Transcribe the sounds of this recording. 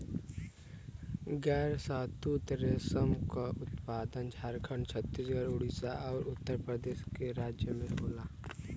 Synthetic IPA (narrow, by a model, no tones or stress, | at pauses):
ɡɛːɾsaːt̪ut̪ɾesəmkaʔʊt̪paːd̪ənd͡ʒʱaːɾkʰəɳt͡ʃʰət̪ːisɡaːɾoːɽisaʔɔːɾʊt̪ːəɾpɾəd̪eːʃkeɾaːd͡ʒjəmẽboːlaː